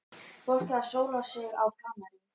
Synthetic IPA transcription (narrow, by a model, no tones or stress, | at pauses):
fɔr̥kaasoːwnasɪɣa̰wkʰaːmaɾɪ